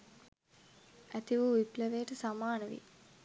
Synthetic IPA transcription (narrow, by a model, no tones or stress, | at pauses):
æt̪iʋuʋipleʋeːʈəsamaːnəʋḭ